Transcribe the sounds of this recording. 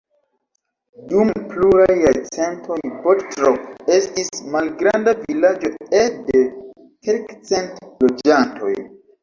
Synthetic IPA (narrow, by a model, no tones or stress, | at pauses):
dumpluɾajet͡se̞ntʰo̞jbottɾoke̞stismalɡɾandavilad͡ʒo̞ede̞ | kelkt͡se̞ntlo̞d͡ʒantʰo̞̰j